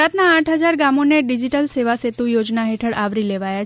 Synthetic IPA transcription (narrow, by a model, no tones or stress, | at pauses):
at̪naːʈʰɦəd͡ʒaɾɡamoneɖid͡ʒiʈəlseʋaset̪ũjod͡ʒnaɦeʈʰəɽʔaʋɾileʋaja